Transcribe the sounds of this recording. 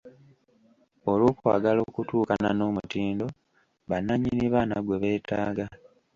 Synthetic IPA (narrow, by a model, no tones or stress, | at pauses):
oloːkuwa̰ːɡalo̞ːkutuːkana̰no̞ːmutiːndo̞ | βanːaɲːiniβaːnaɡwe̞βe̞ːtaːɡa